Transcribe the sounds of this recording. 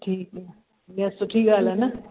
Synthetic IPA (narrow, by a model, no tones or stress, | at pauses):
ʈʰiːkɛ | jɛst̪oʈʰiːkaːlɛna